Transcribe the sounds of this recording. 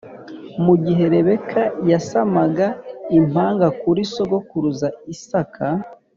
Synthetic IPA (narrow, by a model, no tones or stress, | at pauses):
muɟiɦe̞ɾe̞βe̞kʰajasamaɡaimaːŋɡakuɾiso̞ɡokuɾuzaisakʰa